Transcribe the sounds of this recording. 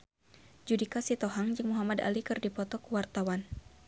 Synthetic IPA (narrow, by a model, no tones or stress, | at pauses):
d͡ʒudikasit̪ɔɦaŋd͡ʒɨŋmuɦamada̰likɨrdipɔt̪ɔkuwart̪awan